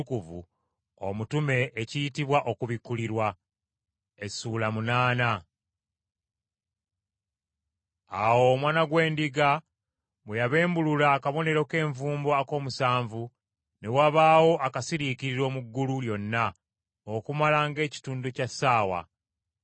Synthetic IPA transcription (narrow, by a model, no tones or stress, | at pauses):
ukuvṵ | o̰mutume̞ʔecijitiβwaʔo̞kuβikːuliɾwa | esuːlamunaːna | awo̞ːmwaːnaɡwe̞ːndiɡa | mwejaβe̞ːmbululakaβo̞ne̞ɾo̞ke̞ːɱvuːmboako̞ːmusaːɱvu | ne̞waβaːwo̞ʔakasiɾikiɾiɾo̞ːmuɡːululjo̞nːa | okumalaŋɡe̞ːci̥tuːnducasaːwa̰